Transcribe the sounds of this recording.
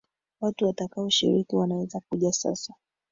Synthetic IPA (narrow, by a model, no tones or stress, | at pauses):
watuwatakaɔʃḭɾikiwanawɛzak̚uʄasa̰sa